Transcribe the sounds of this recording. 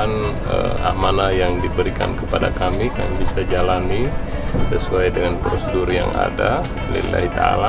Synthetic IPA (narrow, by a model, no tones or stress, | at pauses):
n | ə̰a̰manajaŋdibəɾika̰nkəpada̰kamikanabisad͡ʒalani | səsuajdəŋanpɾosədurja̰ŋa̰da | lḭlla̰ɦit̪a̰la